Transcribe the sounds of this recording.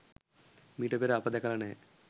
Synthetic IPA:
miːʈɐpeɾɐpːɐd̪ɛkɐlɐne

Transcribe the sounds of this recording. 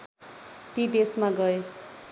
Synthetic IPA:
t̪id̪esmaɡʌe

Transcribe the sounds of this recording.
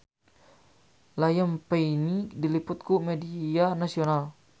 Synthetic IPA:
lajəmpeinidilipʊt̪̚kumedianasional

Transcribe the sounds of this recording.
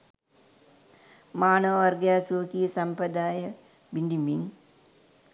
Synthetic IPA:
maːnəʋəɐrɡjaːsuʋəkijəsɐmpɾɐd̪aːjə | biɳɖimiŋ

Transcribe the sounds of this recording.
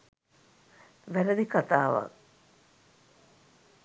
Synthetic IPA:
ʋæɾəd̪ikat̪aːʋa̰k

